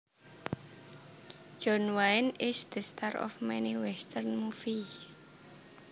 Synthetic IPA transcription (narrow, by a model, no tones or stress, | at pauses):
ʒ̥ɔnwaɪnɪsd̪̥ə̤st̪aɾɔ̰fmɛniwɛst̪ərnmufis